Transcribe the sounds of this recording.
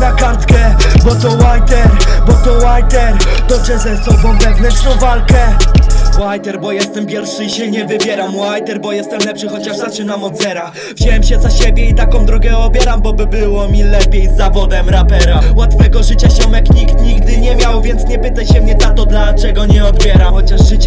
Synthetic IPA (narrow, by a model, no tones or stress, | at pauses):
nakaɾt̪kɛ | bɔt̪ɔwajt̪ɛɾbɔt̪ɔwajt̪ɛɾd̪̥ɔbʐɛzɛst̪ɔbɔ̃w̃lɛɡnɛst̪ɔ̃w̃valkɛ | wajt̪ɛɾbɔjɛst̪ɛmpʲjɛɾfʂɘiɕɛɲɛvɘbʲjɛɾamwajt̪ɛɾbɔjɛst̪ɛmlɛpʂɘxɔt͡ɕaʂzaʂɛnamɔd̪zɛɾa | vʑewɛmɕɛzaɕebʲjɛit̪akɔ̃w̃d̪ɾɔɡɛɔbʲjɛɾambɔbɘbɘwɔmʲilɛpʲjejzːavɔd̪ɛmɾapɛɾawat̪fɛɡɔʐɘt͡ɕaɕɔmakɲikt̪ɲiɡd̪ɘɲɛmʲjawvʲjɛnt̪sɲɛpɘt̪ajɕɛmɲɛnat̪ɔd̪lat͡ʂɛɡɔɲɛɔd̪bʲjɛɾamxɔt͡ɕaʐʐɘt͡ɕɛ